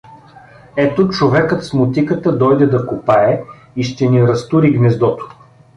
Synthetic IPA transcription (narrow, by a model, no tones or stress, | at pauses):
ɛt̪ot͡ʃovɛkət̪smot̪ikət̪əd̪ɔjd̪ɛd̪ɐkopaɛ | iʃt̪ɛniɾɐst̪uɾiɡnɛzd̪ɔt̪o̥